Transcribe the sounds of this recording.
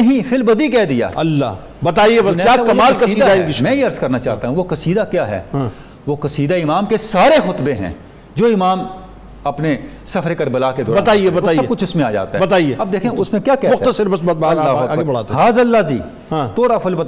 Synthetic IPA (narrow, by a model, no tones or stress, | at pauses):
nɐɦĩfʰɪlbɐd̪ikɛːd̪ija̰ːɐlːa | bɐt̪aːieɐnɛjaːkɐmaːllsɐiːiːd̪ad̪amɛ̃ːjeɐɾzkɐɾnat͡ʃaːt̪aɦũʋokɐsiːd̪akjaːɦɛ̰ːã | ʋoːkɐsiːd̪aɪmaːmkesaːɾexʊt̪beɦɛ̰̃ː | d͡ʒoːɪmaːm | ɐpne | sɐfʰɾkɐɾbɐlaːked̪ʊːɾbɐt̪aːiebɐaːsiɐkʊt͡ʃʰʊsmẽaːd͡ʒa̰ːt̪aɦːbɐt̪aːieɐbd̪eːkʰẽʊsmẽkjaːkɛmʊxt̪əsɪɾbɐsb̪baɐlːaːɐaːɡebɐɽ̤aːt̪eɦaːzɐlːaziː | ãt̪oːɾafɪlbət̪ː